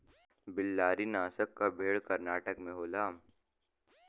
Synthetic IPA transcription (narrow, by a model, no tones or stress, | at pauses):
bɪlːaːɾinaːsəkːabʱeːɭkɐɾnaːʈəkmẽɦoːlaːm